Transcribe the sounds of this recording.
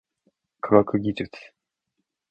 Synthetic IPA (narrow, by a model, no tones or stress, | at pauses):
kʰaɡakɯ̟ɡʲid͡ʑɨt͡sɨ̥